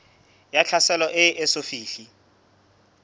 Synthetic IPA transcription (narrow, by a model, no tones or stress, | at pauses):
jat͡ɬʰasɛlɔʔɪʔːsofiːɬi